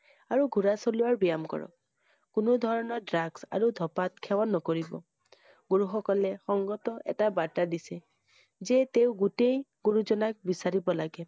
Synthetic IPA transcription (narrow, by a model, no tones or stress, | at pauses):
aɹuɡʱuɹasoluwaɹbijamkɔ̰ɹɔ̰k | kʊnodʱɔɹɔnɔdɹaɡsa̰ɹudʱɔpat̚kʰɛwanːɔkoɹibɔ̰ | ɡ̥uɹuxɔkɔlɛxɔŋɡɔtɔʔɛ̰tabaɹtadisɛ | zɛteʊ̃ɡutejɡ̥uɹuzɔnak̚bisaɹibɔlaɡɛ